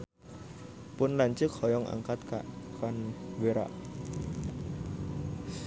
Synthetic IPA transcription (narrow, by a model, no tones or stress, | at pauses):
pʊnlaɲt͡ʃɨk̚hɔjɔŋʔa̰ŋkat̪̚ka̰ʔkanweɾa̰ʔ